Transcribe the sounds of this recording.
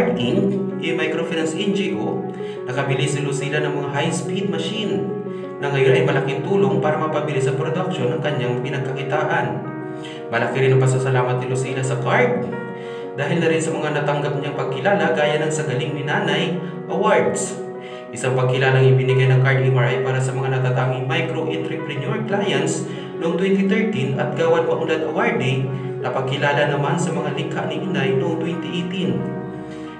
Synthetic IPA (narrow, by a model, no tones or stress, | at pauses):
d̪̚ʔɪŋʔɛmajkɾofɛɾɛnsʔɪnd͡ʒɪɡo | nɐkɐbɪlisɪlosilanɐŋmɐŋaɦajspid̪̚mɐʃinː | ɐŋɐjonʔɐjmɐlakɪŋt̪uːlo̞ŋpaːɾɐmɐpɐbɪlisɐpɾod̪ɐk̚ʃo̞nɐŋkɐɲaŋpɪnɐɡ̚kɐkɪt̪aːʔɐn | mɐlakɪɾɪnɐpɐsɐsɐlaːmɐt̪̚ːɪlosilasɐkaɹd̪̚ | d̪aːɦɪlnɐɾɪnsɐmɐŋanɐt̪ɐŋɡap̚ɲaŋpɐɡ̚kɪlaːlɐɡaːjanɐŋsɐɡɐlɪŋnɪnaːnɐj | ʔɐwaɹd̪s | ʔɪsaŋpɐɡ̚kɪlaːlɐŋɪbɪnɪɡajnɐŋkaɹt̪ɪwaɹʔɐjpaːɾɐsɐmɐŋanɐt̪at̪aːŋɪŋmajkɾoʔɪnt̪ɾɛpɾɛɲjoɹklaːjɐns | noʔoŋt̪wɛnt̪ɪt̪ɛɹt̪inɐt̪̚ɡaːwɐnpɐʔʊlad̪ʔɐwaɹd̪i | nɐpɐɡ̚kɪlaːlɐnɐmansɐmɐŋalɪkʰaʔnɪʔinajnoʔoŋt̪wɛnt̪ɪʔejt̪in